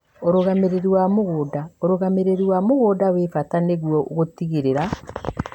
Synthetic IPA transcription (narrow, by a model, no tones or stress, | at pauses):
oɾoɣameɾeɾuwamoɣoːdaoɾoɣameɾeɾwamoɣoːdawefataneɣwɔɣotiɣeɾeɾa